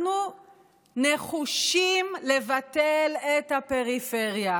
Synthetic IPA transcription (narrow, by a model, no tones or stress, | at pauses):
nu | neχuʃimle̞vateletape̞ʁifeʁja